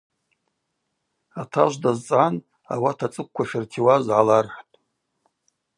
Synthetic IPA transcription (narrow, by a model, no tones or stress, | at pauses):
atʰaʒʷdazt͡sʼʕan | a̰watʰat͡sʼɨkʷkʷaʃɪrtʰiwazʕalarħʷtʼ